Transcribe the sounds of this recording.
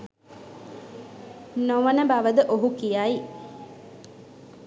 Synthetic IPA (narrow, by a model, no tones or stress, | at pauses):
noʋənəbaʋəd̪əʔoɦukijai